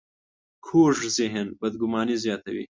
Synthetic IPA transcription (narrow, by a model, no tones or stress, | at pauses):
kʰoːʐziɦenbɐd̪ɡʊmɑːnizjɑːt̪ɐwḭː